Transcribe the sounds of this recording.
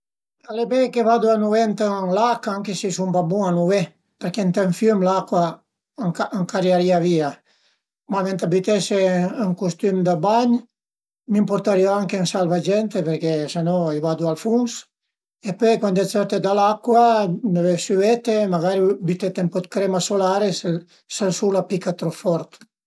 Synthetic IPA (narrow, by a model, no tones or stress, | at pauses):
alebekeβad̪uanuvent̪əŋlakaaŋkesisumbabuanuve | peɾkent̪eɱfjømlakwa | aŋkaɾjaɾiavia | mament̪abit̪eseːŋkust̪ymd̪abaɲ | mimpoɾt̪aɾioaŋkensalvad͡ʒɛnt̪epeɾkesenɔivad̪ualfuŋs | epøjkwand̪ɛt͡sɛɾt̪ed̪alakwamavefsyɛt̪emaɡaɾibyt̪et̪empɔt̪̚kɾemasolaɾese | selsulapikat̪ɾɔfɔɾt̪